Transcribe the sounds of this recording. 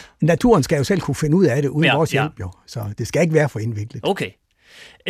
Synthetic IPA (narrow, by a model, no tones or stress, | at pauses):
næt͡sʰṵːɐnsɡ̥æjo̝sel̰kʰufe̝nəuð̞̰ˠæɾ̥e̝ʔuːðˠnʋɒːsjel̰b̥jo̝sɒ̽d̥e̝sɡ̥æe̝ɡ̥əʋæːɐfɒ̽e̝nʋe̝ɡ̥ləð̩ˠkʰe